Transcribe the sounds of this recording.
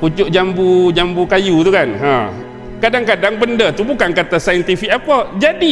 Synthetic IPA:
put͡ʃʊʔd͡ʒambud͡ʒambukajut̪ukanɦã | kadaŋkadaŋbəndət̪ubukankat̪asajənt̪ifikʔapəd͡ʒadi

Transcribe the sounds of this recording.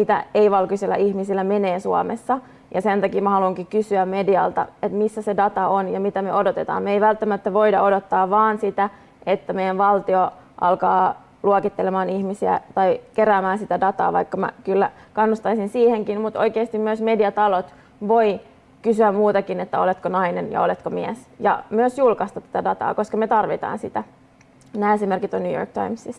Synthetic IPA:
mit̪æ̰eiʋɑlkiselːæ̰ʔihmisilːæmeneːnsuɑmesːɑ | jɑsent̪ɑkiːmæhɑluiŋkikysyæmmediɑ̰lt̪ɑ̰et̪misːæsedɑt̪ɑonjɑmit̪æmeodot̪et̪ɑ̰ːmmeeiʋælt̪ːæmæt̪ːæʋo̞idɑodot̪ːɑːʋʋɑːnsit̪æ | et̪ːæmejænʋɑlt̪ioʔɑ̰lkɑː | luokit̪ːelemɑːnihmisiæ̰t̪ɑikeɾæːmæːnsit̪ædɑt̪ɑ̰ːʋɑ̰ikːɑmæ̰kylːækɑnːust̪ɑisinsiːheŋkinmut̪o̰jkeːst̪immyøsmediɑt̪ɑlot̪ | ʋo̞i | kysyæmmuːt̪ɑkinet̪ːæolet̪konɑinenjɑ̰olet̪komiæsjɑ̰myøsjulkɑst̪ɑt̪ːæt̪ædɑt̪ɑ̰ːko̞skɑmet̪ɑrʋit̪ɑ̰ːnsit̪æ | næːesime̞rkit̪onːyjo̰rk̚t̪ɑimsis

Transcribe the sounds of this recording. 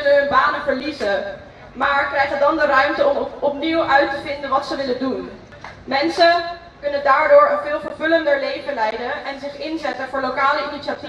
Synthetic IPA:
lənɦɵnbaːnəvəɹlizə | maːɹkrɛjχədɑndərœɥmtəɔmɔpniwʔœɥtəvɪndənʋɑtsəʋɪləndun | mɛnsə | kɵnəndaːɹdʊːɹənvɪːlˠvəɹvʉləndəɹlejvənlɛjdənɛnzɪχɪnzɛtənvʊːɹlowkaːləiniʃati

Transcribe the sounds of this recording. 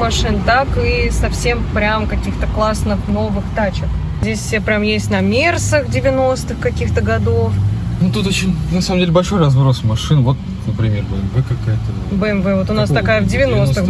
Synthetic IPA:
mɐʂɨnt̪akɨsɐfsʲempɾʲamkɐkʲixt̪əklˠasnɨxno̞vɨxt̪at͡ɕɪx | zʲdʲesʲepɾʲamjesʲtʲnɐmʲersəxdʲɪvʲɪno̞st̪ɨxkɐkʲixt̪əɡɐd̪ofnut̪ut̪ot͡ɕɪnʲnɐsaməmdʲelʲɪbɐlʲʂo̞jrɐzvɾosmɐʂɨnvo̞t̪̚ | nəpɾʲɪmʲe̞rbəɛmvɛkɐkajət̪ə | bəɛmvɛvo̞t̪ʊnast̪ɐkajəvdʲɪvʲɪno̞st̪ɨx

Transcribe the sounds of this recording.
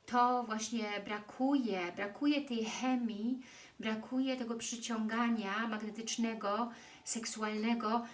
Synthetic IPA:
t̪ɔvwaɕɲɛbɾakʰujɛbɾakʰujɛt̪ɛjxɛmʲi | bɾakʰujɛt̪ɛɡɔpʂɘt͡ɕɔŋɡaɲamaɡnɛt̪ɘt͡ʂnɛɡɔ | sɛksualnɛɡɔ

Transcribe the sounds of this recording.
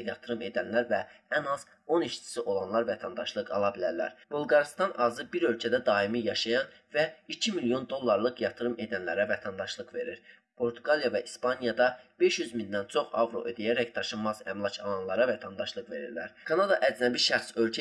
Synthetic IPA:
jɑt̪ʰɯɾɯme̞d̪ænlæɾvæænɑz̥ | o̞niʃt͡ʃʰi̥siʔo̞lˠɑnlˠɑɾvæt̪ʰænd̪ɑʃlˠɯqɑ̰lˠɑbilæɾlæ̰ɾb̥ulˠɡɑɾist̪ɑnʔɑzɯbiɾø̞lcʰæd̪æd̪ɑimijɑʃɑjɑn | væicʰimilijo̞nd̪o̞lˠːɑɾlˠɯkjɑt̪ʰɯɾɯme̞d̪ænlæɾævæt̪ʰænd̪ɑʃlˠɯqve̞ɾiɾ | pʰo̞ɾt̪ʰuɡɑlˠijɑvæʔispɑnijɑd̪ɑb̥e̞ʃjyzmind̪ænt͡ʃʰo̞χɑ̰vɾo̞̰ʔḛd̪ejæɾæct̪ɑʃɯnmɑzæmlˠɑcʰɑlˠɑnlˠɑɾɑvæt̪ʰænd̪ɑʃlˠɯqve̞ɾḭɾlæɾkʰɑnɑd̪ɑ̰ʔæd͡ʒnæbiʃæɾsø̞lcʰæ

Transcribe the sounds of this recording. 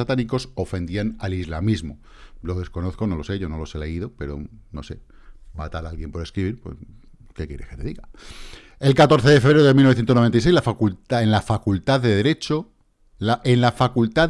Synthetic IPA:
at̪aniko̞so̞fẽ̞nd̪ianalizlamizmo | lo̞ðe̞sko̞no̞θko̞no̞lo̞se̞ʝo̞no̞lo̞se̞le̞iðope̞ɾo̰no̞se̞ | mat̪aɾalɣje̞mpo̞ɾeskɾiβiɾpwḛs | kekjeɾesket̪e̞ðiɣa | e̞lkat̪o̞ɾθe̞ðe̞feβɾeɾoðemiloθjenonoe̞nt̪ais̬ejzlafuenlafakult̪aðe̞ðeɾe̞t͡ʃo | aenlafakult̪a

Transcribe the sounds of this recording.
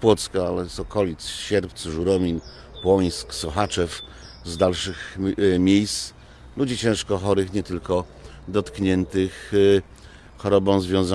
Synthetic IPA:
pwɔt̪skaalɛsɔkɔlʲit̪sɕɛɾpt̪sʐuɾɔmʲin | pwɔj̃sksɔxat͡ʂɛf | zd̪alʂɘxmʲejst̪s | lud͡ʑit͡ɕɛ̃w̃ʂkɔxɔɾɘxɲɛt̪ɘlkɔ | d̪ɔt̪kɲɛnt̪ɘx | xɔɾɔbɔ̃w̃zvʲjɔ̃w̃za

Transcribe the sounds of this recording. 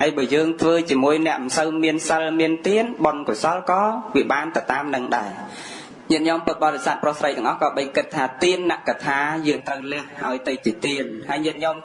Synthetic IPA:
hajɓɑːjəːŋt̪ʰʋəːt͡ɕiəmuəjnɛ̆əʔmsəwmiənsəlmiənt̪iənɓonkosɑlkɑːʋiəɓaːnt̪ɨwt̪aːmnɨŋɗaɛ | ɲiət̪̚ɲɔmpɨt̪̚ɓɑːtresaːt̪̚prʊhsrəjt̪ɛ̆əŋʔɑhkɑːɓəjkɨt̪ʰːaːt̪iənːaʔkat̪ʰaːjəːŋt̪rəwlɛ̆əhʔaɔjt̪ɨwt͡ɕiət̪iənhaəjɲɛət̪̚ɲom

